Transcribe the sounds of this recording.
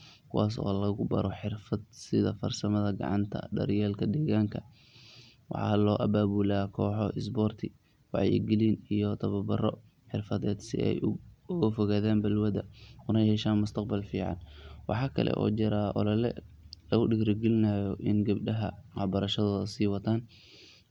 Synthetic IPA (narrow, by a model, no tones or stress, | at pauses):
kʰʊwɑːs̬ɔ̰ːlɐɣʊbɐ̰ɾɔħɪrfɐd̪sɪðɐfɐrsɐmɐðɐɡɑ̰ʕɑ̰nt̪ʰɐ̰ɖɐ̰ɾjɛːlkʰɐd̪ɛːɣaːŋkʰɐ | wɑ̰ħɑ̰ːlɔːʔɐbaːβuːlakʰɔːħɔɪs̬bɔːrt̪ʰɪ | wɑʕjɪ̰ɡɪlinijɔt̪ʰɐβɐbɐrɔ̰ | ħɪrfɐðɛːd̪sɪ̰ɛ̰jʊɣɐfɔɣaːðaːnbɐlwɐd̪ɐʊnɐhɛʃaːnmʊst̪ʰɐq̚bɐlfiːʕɑ̰nwɑ̰ħɑːkʰɐ̰lʔɛ̰ʔɔ̰ːd͡ʒɪɾaːʔɔ̰lɐlɛ̰lɐɣʊɖɪkɾɪɡɪlɪnɐjɔʔɪnɡɐbɖɐɦɐwɑbɐɾɐʃɐðɔːðɐsiːwɐt̪ʰaːn